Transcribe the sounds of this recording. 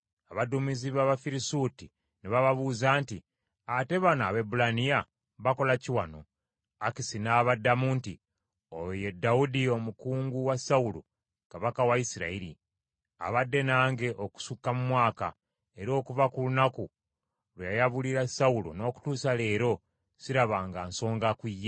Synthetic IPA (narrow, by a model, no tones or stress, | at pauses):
aβadumiziβaβafiɾisuti | neβaβaβuːzaːnti | ate̞βana̰ːβe̞bulanija | βako̞laciwano̞ | akisinaːβadːamuːnti | oje̞dːaudio̞mukuːŋɡuwasaulo̰ | kaβakawaisiɾa̰iɾḭ | a̰βadːe̞naːŋɡe̞ʔoku̥sukːamumwaːka̰ | e̞ɾo̞ːkuvakulunaku | lwejajaβuliɾasaulo̰no̞ːku̥tuːsale̞ːɾo̞ | siɾaβaːŋɡaːnso̞ːŋɡakwijːe